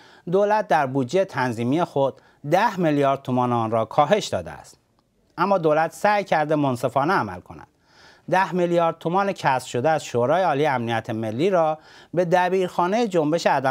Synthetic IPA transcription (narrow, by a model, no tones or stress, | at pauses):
d̪oːlæt̪̚d̪æɾbuːd̪d͡ʒeet̪ʰænziːmiːexo̞d̪ | d̪æhmeljɒːɾd̪̚t̪ʰomɒːneɒːnɾɒːkʰɒːɦe̞ʃd̪ɒ̰ːd̪eæ̰st̪ | ʔæmːɒːd̪olæt̪ʰsæːjcʰæɾd̪emonse̞fɒːneæmæ̰lkʰo̞̰næ̰d̪̥ | d̪æhmeljɒːɾd̪̚t̪ʰomɒːnecʰæsfʃo̞d̪eæzʃoːɾɒːjeɒːlijeæmnijæt̪ʰeme̞lːiːɾɒːbe̞d̪æbiːɾxɒːnejed͡ʒo̞mbe̞ʃeæd̪æ